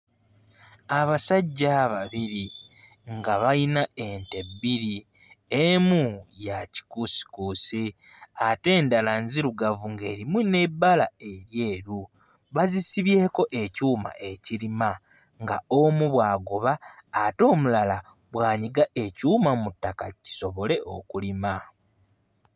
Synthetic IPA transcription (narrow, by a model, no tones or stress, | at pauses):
aβasaɟːaβaβiɾi | ŋɡaβainaente̞biɾi | emujaci̥kusi̥kusi | ate̞ːndalanziɾuɡavuŋɡe̞̰ːɾimune̞bːalae̞ɾje̞ːɾu | βazisiβje̞ːko̞ʔe̞cuːma̰ʔe̞ciɾima | ŋɡaomuβwaːɡoβaːto̞ːmulala | βwaːɲiɡae̞cuːmamutːakaci̥so̞βo̞le̞ʔo̞kulima